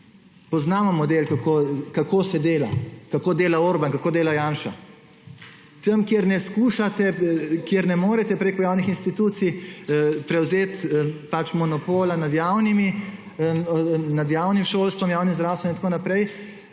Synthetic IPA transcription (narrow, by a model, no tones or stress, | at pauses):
pɔznaːmɔmɔd̪eːlkakʰokakoːsɛd̪eːla̰kakoːd̪eːlauɾbankakoːd̪eːlajaːnʃa | t̪əmkjeɾnɛskuːʃat̪ɛkjeɾnɛmoːɾɛt̪ɛpɾeːkɔjaːwnixinst̪it̪uːt̪sij | pɾɛwzeːt̪pat͡ʃmɔnɔpoːlanad̪jaːwnimi | nad̪jaːwnimʃoːlst̪ʋɔmjaːwnimzd̪ɾaːwst̪ʋɛninakoːnapɾɛj